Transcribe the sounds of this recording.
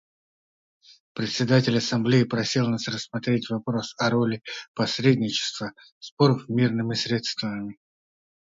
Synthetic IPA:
pɾʲɪt̪ʲsʲɪd̪atʲɪlʲɐsɐmblʲeɪpɾɐsʲilˠnasrəsːmɐt̪ɾʲetʲvɐpɾo̞sɐɾolʲɪpɐsɾʲedʲnʲɪt͡ɕɪ̥st̪və | spoɾəfmʲirnɨmʲɪsɾʲe̞t̪st̪vvəmʲɪ

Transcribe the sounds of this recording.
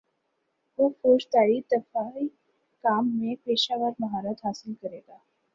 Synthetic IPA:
ʋofoːʃt̪aːɾit̪əfaːi | kaːmːẽpeːʃaːʋaɾmɐɦaːɾət̪ɦaːsɪlkəɾeːɡaː

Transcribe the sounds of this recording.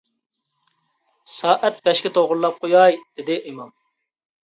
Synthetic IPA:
sɑːʔɛt̪̚bɛʃkʲɪt̪ʰoʁʊɾlˠɑp̚qʰojɑjd̪̥ɪd̪ɪʔimɑm

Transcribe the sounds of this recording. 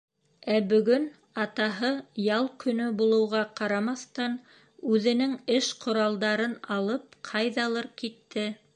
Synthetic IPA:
æbɵ̆ɡɵn | ɑt̪ɑɦɤjɑlˠkɵ̆nɵbulˠɤ̆wʁɑqɑɾɑmɑθt̪ɑn | ʉðɘ̆nɘŋɘʃqʰŏɾɑlˠd̪ɑɾɤnɑlˠɤp̚qʰɑjðɑlˠɤɾkit̪ːɘ

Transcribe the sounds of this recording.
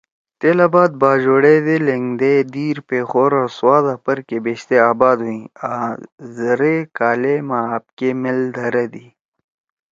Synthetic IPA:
t̪eːlabaːd̪̚baːd͡ʑoːɽed̪eleŋɡd̪ed̪iːɾpeːxoːɾɐɾswaːd̪apɐɾkebeːɕt̪eaːbaːd̪ɦuĩazɐɾekaːlemaaːp̚kemeld̪ʱɐɾɐd̪i

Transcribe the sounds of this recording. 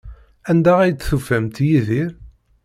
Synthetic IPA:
ænd̪æʁijt̪ːθufæmt̪jiðiɾ

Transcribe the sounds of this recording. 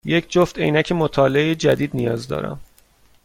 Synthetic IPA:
je̞cʰd͡ʒoft̪e̞̰jnæcʰemot̪ʰɒːleejed͡ʒæd̪iːd̪̚nijɒːzd̪ɒ̰ːɾæ̰m

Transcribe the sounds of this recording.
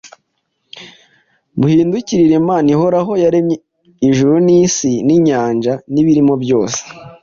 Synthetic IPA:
βuhiːnduciɾiɾe̞maːniɦo̞ɾaɦo̞jaɾemɲe | iʒuɾunisiniɲaːnʒaniβiɾimo̞bjo̞ːse̥

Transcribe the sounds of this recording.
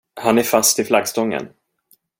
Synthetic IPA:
hanæɾfast̪ɪlflaɡst̪ɔŋːə̰n

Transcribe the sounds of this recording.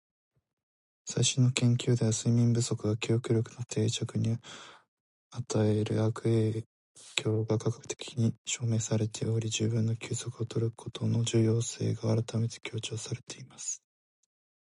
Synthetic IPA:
saiɕĩnːokẽ̞ŋkʲjɨːd̪e̞βasɨimʲĩmbɯ̟so̞kɯ̟ɡakʲijo̞kɯ̟ɾʲo̞kɯ̟no̞t̪ʰe̞ːt͡ɕakɯ̟ɲ̟i | at̪aeɾɯ̟̰akɯ̟eː | kʲʰo̞ːɡakakḁkɯ̟̥t̪ʰe̞̥kʲʰi̥ɲ̟iɕo̞ːme̞ːsaɾe̞t̪ʰe̞o̞ɾʲid͡ʑɨːbɯ̟̃nːo̞kʲɨːzo̞kɯ̟ot̪o̞ɾɯɯ̥kʰo̞t̪ʰo̞no̞d͡ʑɨːjo̞ːse̞̰ːɡaaɾat̪ame̞t̪e̥kʲo̞ːt͡ɕo̞ːsaɾe̞t̪ʰe̞imasɨ̥

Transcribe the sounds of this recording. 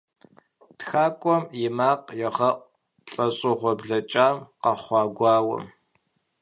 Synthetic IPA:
txaːkʷʼɔmjɪmaːqʼjɛʁɐʔʷ | ɬʼɐɕʼɪʁʷɔbɮɐt͡ʃʼaːmqɐχʷɑːɡʷɑːwɐ̰m

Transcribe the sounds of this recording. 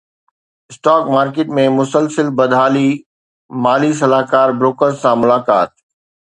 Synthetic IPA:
ɪsʈaːkmaːɾkeːʈmẽmʊsəlsəlbɐd̪ʱaːli | maːlis̬ɐlaːkaːɾbɾoːkəɾzsãmʊlaːkaːt̪̚

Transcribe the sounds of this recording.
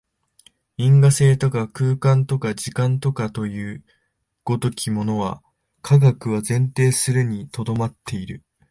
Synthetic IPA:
ĩŋɡase̞ːt̪o̞kakɯ̟ːkãnt̪o̞kaʑikãnt̪o̞kat̪o̞jɯ̟ː | ɡ̥o̞d̪o̞kʲimo̞no̞βa | kʰaɡakɯ̟βazẽ̞nt̪e̞ːsɨɾɯ̟ɲ̟it̪o̞d̪o̞mat̪ʰːe̞iɾɯ̟

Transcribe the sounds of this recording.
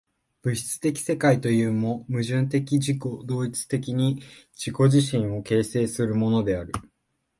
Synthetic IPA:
b̥ɯ̟ɕi̥t͡sɨ̥t̪e̞kʲi̥se̞kait̪o̞jɯ̟ːmo̞mɯ̟ʑɨ̃nt̪e̞kʲiʑiko̞d̪o̞ːit͡sɨ̥t̪e̞kʲiɲ̟i | d͡ʑiko̞ʑiɕĩɰ̃o̞ke̞ːse̞ːsɨɾɯ̟mo̞no̞d̪e̞aɾɯ̟

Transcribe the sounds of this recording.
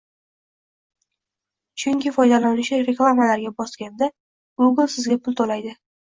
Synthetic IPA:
t͡ʃʰʊŋkʲɪfɒjd̪alanɪʃɪɾeklˠamalaɾɡʲabɒskʲand̪a | ɡ̥ʊɡɨlˠsɪzɡʲapʰʊlˠt̪ʰolajd̪ɪ

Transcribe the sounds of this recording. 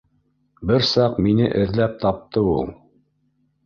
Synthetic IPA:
bɘɾsɑqminɘʔɘ̆ðlæp̚t̪ɑp̚t̪ɤulˠ

